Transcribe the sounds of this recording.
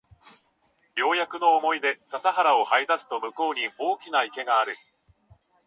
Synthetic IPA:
jo̞ːjakɯ̟no̞ːmo̞id̪e̞sasaɦaɾao̞haid̪asɨ̥t̪o̞mɯ̟ko̞ːɲ̟io̞ːkʲinaike̞ɡaːɾɯ̟

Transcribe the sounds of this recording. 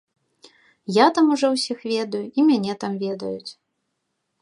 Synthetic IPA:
jat̪amuʐɔwsʲixvʲɛd̪ɐjuʔimʲanʲɛt̪amvʲɛd̪ɐjut͡sʲ

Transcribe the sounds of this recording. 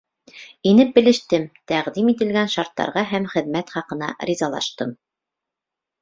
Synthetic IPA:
inɘp̚bɘ̆lɘ̆ʃt̪ɘmt̪æʁðimit̪ɘ̆lɡænʃɑɾt̪ːɑ̰ɾʁɑɦæmχɘ̆ðmæt̪χɑqɤ̆nɑ̰ɾizɑlˠɑ̰ʃt̪ɤm

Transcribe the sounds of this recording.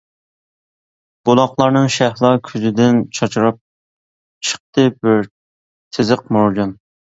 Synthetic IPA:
b̥olˠɑχlˠɑɾnɨŋʃæhlˠɑkʲʰyzɪd̪ɪnt͡ʃʰɑt͡ʃʰɾɑp̚ | t͡ʃʰə̥χ̚t̪ɨbɪɾ | t̪ʰɪzɨq̚moɾd͡ʒɑn

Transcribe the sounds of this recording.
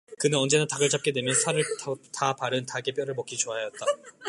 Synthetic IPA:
kɯnɯnʌnd͡ʑe̞nataɡɯɭt͡ɕap̚k͈e̞dwe̞mjʌnsʰaɾɯɭttʰapaɾɯntaɡe̞p͈jʌɾɯɭmʌk͈ʰit͡ɕoɦajjʌt̚t͈a

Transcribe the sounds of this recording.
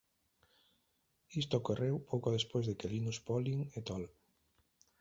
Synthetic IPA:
ist̪okorewpowkoðespozðekelinuspɔliŋet̪ɔl

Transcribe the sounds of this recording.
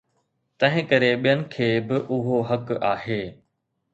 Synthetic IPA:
t̪ɐ̃ɦɪ̃kɐɾeɓijənɪ̆kʰeːbɪʔʊɦoɦɐkaːɦeː

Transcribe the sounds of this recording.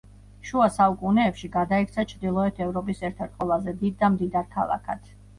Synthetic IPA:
ʃuasaukʼunɛːpʃiɡad̪aikʰt̪sʰat͡ʃʰɾd̪ilˠɔɛt̪ʰɛvɾɔpʼisɛɾt̪ʰaɾt̪̚ʼqʼwɛlˠazɛd̪id̪̚ːamd̪id̪aɾkʰa̰lˠa̰kʰa̰t̪ʰ

